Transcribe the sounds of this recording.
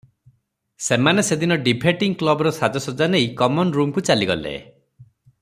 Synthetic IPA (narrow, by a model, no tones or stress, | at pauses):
semanesed̪inɔɖibʱeʈiŋklɔbɔɾɔsad̪ɔsɔd͡ʒanejkɔmɔnɾumkut͡ʃaliɡɔ̰lḛ